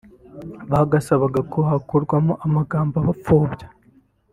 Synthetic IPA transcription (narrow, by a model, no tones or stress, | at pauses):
βaɡasaβaɡakʰohakoɾɡwamoʔamaɡaːmbaβafoːbɟḁ